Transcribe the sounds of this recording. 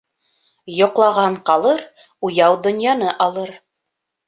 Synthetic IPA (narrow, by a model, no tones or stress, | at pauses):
jŏqlˠɑʁɑɴqɑlˠɤɾ | ujɑwd̪ŏnjɑnɤʔɑlˠɤɾ